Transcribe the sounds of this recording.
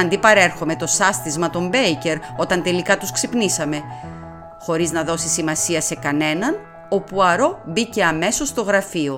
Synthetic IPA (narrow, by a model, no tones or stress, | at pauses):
ɐnd̪ipɐɾe̞ɾxo̞me̞t̪o̞sɐst̪izmɐt̪o̞mbejce̞ɾo̞t̪ɐnt̪e̞likɐt̪usksipnisɐme̞ | xo̞ɾiznɐðo̞sisimɐsiɐse̞kɐne̞nɐn | o̞puɐɾo̞bice̞ɐme̞so̞st̪o̞ɣɾɐfio̞